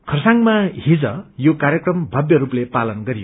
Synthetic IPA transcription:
kʰʌrsaŋmaɦid͡zʌjokarɾjʌkrʌmbʱʌbjʌɾuplepalʌnɡʌɾijo

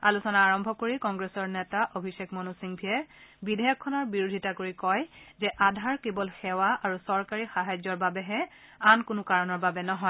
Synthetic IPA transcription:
alusɔnaːɹɔmbʱɔkoɹikɔŋɡɹesɔɹnɛtaʔobʱisekmɔnusiŋbʱiɛbidʱɛjɔkʰːɔnɔɹbiɹudʱitakoɹikɔjzɛʔadʱaɹkebɔlxɛwaʔaɹusɔɹkaɹixaɦajzɔɹbabɛɦɛankʊnʊkaɹɔnɔɹbabɛnɔɦɔj

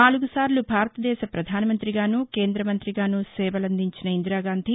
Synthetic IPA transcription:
aːluɡusaːɾlubʱaːɾɐt̪ɐd̪ɛːʃɐpɾɐd̪ʱaːnɐmɐnt̪ɾiɡaːnuːke̞ːnd̪ɾɐmɐnt̪ɾiɡaːnusɛːʋɐlɐnd̪iɲt͡ʃinɐind̪ɾaːɡaːnd̪ʱi

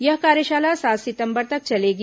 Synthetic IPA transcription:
jɐɦkaːɾjəʃaːlasaːt̪sɪt̪ə̃mbəɾt̪ɐk̚t͡ʃɐleːɡi

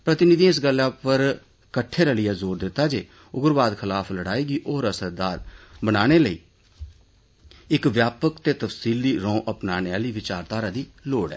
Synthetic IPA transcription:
pɾət̪ɪnɪd̪ĩːɪs̬ɡəlːaːpəɾ | kəʈʰːeːɾəlɪjaːzoːɾd̪ɪt̪ːaːd͡ʒeː | ʊɡəɾʋaːd̪kʰɪlaːfʰləɽaːiːɡiːʔoːɾəsəɾd̪aːɾbənaːɽ̃eːləḭː | ɪkʋjaːpəkt̪eːt̪əfsiːld̪iːɾɔ̃ːʔəpnaːneaːliːʋɪt͡ʃaːɾt̪aːɾaːd̪iːloːɽɛ̰ː

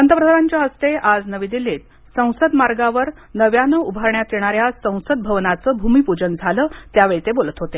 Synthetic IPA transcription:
ənt̪əpɾəd̪ʱaɾaɲt͡ɕjaɦəst̪eʔad͡znəʋid̪ilet̪ | sə̃w̃səd̪maɾɡaʋəɾ | nəʋjanəubʱaɾɳjat̪jeɳ̃aɾjasə̃w̃səd̪̚bʱəʋnat͡səːbʱumiːpud͡ʑənd͡zʱaləːt̪jaʋeɭit̪ebolət̪ɦot̪e

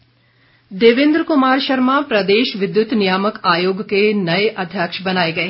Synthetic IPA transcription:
d̪eːʋɪ̃nd̪ɾkʊmaːɾʃɐɾmãpɾɐd̪eːʃʋɪd̪jʊt̪nɪjaːməkaːjoːɡkenɐeʔɐd̪ʱjaːkʃbɐnaːeɡɐeː

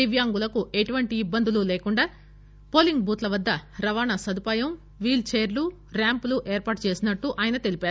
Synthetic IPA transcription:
iʋjaːŋɡulɐkueʈuʋɐɳʈiːbːɐnd̪ululeːkuɳɖaː | po̞ːliŋɡ̚buːt̪lɐʋɐd̪ːɐɾɐʋaːnɐsɐd̪upaːjɐm | ʋiːlt͡ʃeːɾlu | ɾaːmpluʔeːɾpaːʈ̚t͡ʃe̞ːsinɐʈːuʔaːjɐnɐt̪e̞lipaːɾu

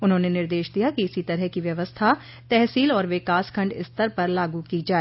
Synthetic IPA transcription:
ʊnɦõːnenɪɾd̪eːʃd̪ijakiɪsit̪ɐɾɛɦkiʋjɐʋəst̪ʰa | t̪ɛɦsiːlɔːɾʋɪkaːskʰɐ̃ɳɖɪ̰st̪əɾpɐɾlaːɡukid͡ʒaːeː

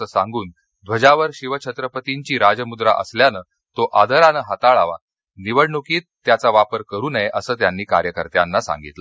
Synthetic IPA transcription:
əsãŋɡuːn | d̪ʱʋəd͡ʑaʋəɾɕiʋət͡ɕʰət̪ɾəpət̪iɲt͡ɕiːɾad͡ʑəmud̪ɾa̰ʔə̰sljanəː | t̪oʔad̪ʱəɾanəɦat̪aɭaʋa̰ | niʋəɽɳukiːt̪ːjat͡saʋapəɾkəɾuːnəjʔəsəːt̪janːiːkaɾjəkəɾt̪janːasa̰ŋɡḭt̪lə

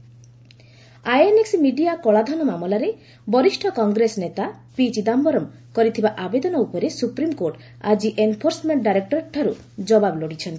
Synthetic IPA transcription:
ajeneksimiɖiakɔɭad̪ʱɔnɔmamɔlaɾe | bɔɾiʃʈʰɔkɔŋɡɾesɔnet̪a | pit͡ʃid̪ambɔɾɔm | kɔɾit̪ʰibaʔabed̪ɔnɔupɔɾesupɾimkoɾʈ | ad͡ʒiʔenpʰoɾsɔmeɳʈɖajɾek̚ʈɔɾʈʰaɾu | d͡ʒɔbabɔloɽit͡ʃʰɔnt̪i̥

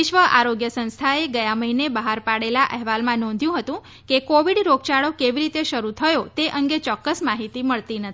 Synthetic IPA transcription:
iʃʋəʔa̰ɾoɡjəsə̃nst̪ʰaeɡəjãməɦinebəɦaɾpaɽelaʔɛɦʋalmãnɔ̃nd̪ʱjũɦət̪ũ | kekoʋiɖɾoɡt͡ʃaɭokeʋiɾit̪eʃəɾut̪ʰəjot̪eʔəŋɡet͡ʃɔkːəsmaɦit̪iməɭt̪inət̪ʰi

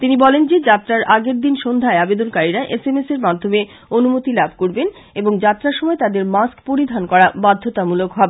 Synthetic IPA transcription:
t̪inibɔlend͡ʑed͡ʑat̪ːɾaɾʔaɡeɾd̪inʃond̪ʱaeabed̪onkaɾiɾaʔesemeseɾmad̪ʱːome | onumot̪ilabʱkoɾben | eboŋd͡ʑat̪ːɾaɾʃɔmɔet̪ad̪eɾmaskpoɾid̪ʱankɔɾabad̪ʱːot̪amulokɦɔbe

